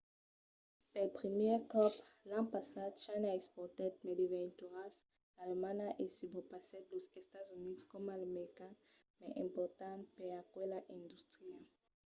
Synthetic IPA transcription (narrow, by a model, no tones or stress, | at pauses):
pɛlpχimjɛʁkɔplãpasad̪ʃanaɛspɔʁt̪ɛt̪̚mɛdivɛnt̪uʁas | alemanaʔesybɔpasɛt̪losɛst̪azynidskɔmalameʁikan | mɛʔɛ̃mpɔʁt̪ãnpɛʁakwɛlaʔɛ̃nd̪ust̪χia